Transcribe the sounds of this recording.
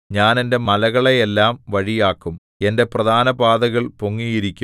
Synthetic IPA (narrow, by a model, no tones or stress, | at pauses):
ɲaːne̞nde̞mɐlɐɣɐɭejelːaːmʋɐɻijaːkːum | e̞nde̞prɐd̪ʱaːnɐbaːd̪ɐɣɐɭpoŋːijiɾikʲːu